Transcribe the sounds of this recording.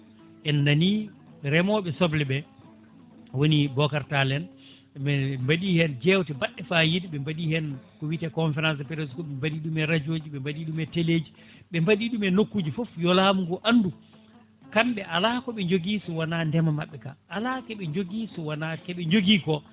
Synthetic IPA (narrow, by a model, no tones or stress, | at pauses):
ʔɛnːani | ɾɛmɔɓɛsɔblɛɓɛ | wonibɔkaɾtalɛn | ɓɛmbaɗihɛnd͡ʒɛwtɛbaɗːɛfajidɓɛmbaɗihɛnkɔwitɛkɔɱfɛɾans̬pɛɾeskɔɓɛmbaɗiɗumɛɾad͡ʒoːd͡ʒiɓɛmbaɗiɗumɛteleːd͡ʒi | ɓɛmbaɗiɗumɛnokːud͡ʒifofjɔlaːmuɡɔʔandu | kamɓɛalakɔɓɛɲd͡ʒoɡisɔwanandɛmamaɓːɛka̰ʔalakɛɓɛɲd͡ʒoɡiːsɔwanakɛɓɛɲd͡ʒoɡiːkɔ